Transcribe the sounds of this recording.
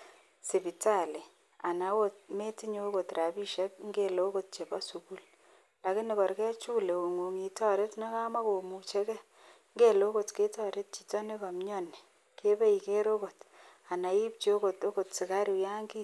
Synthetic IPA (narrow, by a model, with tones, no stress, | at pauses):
sɪ˨pi˨ta˦˨li˨ | a˨na˨˦wo˦t̚me˦ti˦ɲo˦ko˨tɾa˨bi˦ʃɛ˦k̚ŋɡe˦lo˦ko˦˨t̚t͡ʃe˨ba˦su˨ku˦l | la˨kɪ˦nɪ˨kɔ˨ɾkɛ˦t͡ʃu˦le˨o˨ŋo˨ŋi˨tɔ˦ɾe˦tna˦ka˦ma˦ko˨mu˨t͡ʃe˦kɛ˦ | ŋɡe˦lo˦ko˨tke˦tɔ˨ɾe˦t̚t͡ʃi̥˨tɔ˦ne˦kɔ˨mɲɔ˦ni̥˨ | ke˦be˦i˨ke˦ɾo˦ko˨t | a˨na˨i˦p̚t͡ʃo˦ko˨to˦ko˨tsɪ˨ka˦ɾi˨ja˦ŋɡi˦